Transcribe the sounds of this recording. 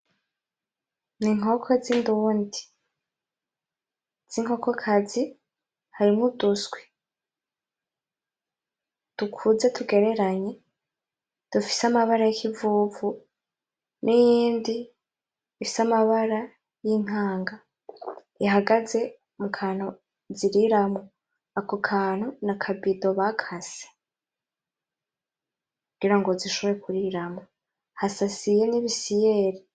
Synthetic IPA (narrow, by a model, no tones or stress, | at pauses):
niŋ̥o̞kʰo̞zindundi | z̥iŋ̥ho̞ko̞kʰazi | haɾimŋudusɡwe̥ | d̥ukʰuze̞tuɡe̞ɾe̞ɾaɲe̞ | d̥ufi̥samaβaɾajikʰivuːvu | nʔijiːndi | ifi̥samaβaɾa | jin̥haːŋɡa | iɦaɡaze̞ | mukʰaːn̥o | ziɾiɾamo | akokʰaːn̥hunakʰabido̞βakʰase̥ | kuɡiɾaŋɡoziʃoβoɾekuɾiɾamo | hasasijeniβisije̞ɾi